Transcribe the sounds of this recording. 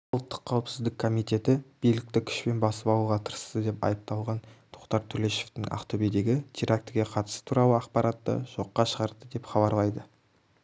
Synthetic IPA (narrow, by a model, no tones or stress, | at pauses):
lˠt̪ːə̥qʰːɑwɪpsɪzd̪ɪkʰːo̞mijt̪e̞t̪ɪb̥ijlɪk̚t̪ɪkʲʰʏ̥ʃpe̞nbɑsəpɑw̪uʁɑt̪ʰəɾəst̪əd̪e̞pɑ̰jəp̚t̪ɑlˠʁɑnt̪ʰoqt̪ɑɾt̪ʰɵle̞ʃe̞ft̪ɪŋɑ̰qt̪obed̪e̞ɡʲɪt̪ʰiɾʔak̚t̪ɡʲe̞qʰɑt̪ə̥sə̥t̪ʰuɾɑlˠəɑqpɑɾɑt̪ːə̰ʒ̥o̞qːɑʃəʁɑɾd̪əd̪e̞pχɑbɑɾlˠɑjd̪ə